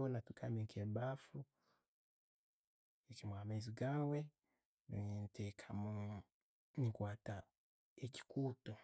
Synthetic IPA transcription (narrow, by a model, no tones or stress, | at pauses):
ɔnatukamikʰɛbafu | ikimwamɛziɡawɛ | no̰ɲintʰɛkʰamu | nikwata | eki̥kutɔ